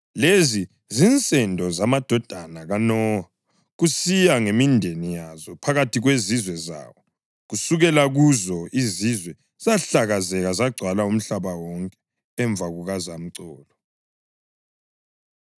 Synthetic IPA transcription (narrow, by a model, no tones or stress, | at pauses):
lezi | zint͡sʼɛndʱɔzamad̥ʱɔd̥ʱanaɣanɔa | ɣusijaŋemindʱenijazɔpʰaɣatʰiɣwezizwɛza̰ːwɔ | ɣusuɣɛlaɣuzɔizizwɛ | z̥aɬaɣazɛɣazaɡ͡ǀʱwalaum̩ɬaβawɔŋkʼɛ̥ | ɛɱb̪vʱaɣuɣazam̩ǀɔːlɔ